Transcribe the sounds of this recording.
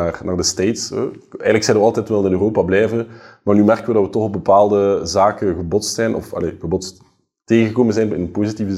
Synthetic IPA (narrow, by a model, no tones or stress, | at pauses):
aːrnaːrdəstejtsə̰ɛ̰jɣələksɛdəʋəɑlˠtɛtʋɛlˠɪnøroːpablɛjvənmaːrnymɛrkənʋədɑtʋətɔxɔb̚bəpaːlˠdəzaːkəɣəbɔtstsɛjnʔɔ̰fɑ̰lḛːɣəbɔtst | teːɣəŋɣəkoːmənzɛjnɪ̰nənpoːzitivə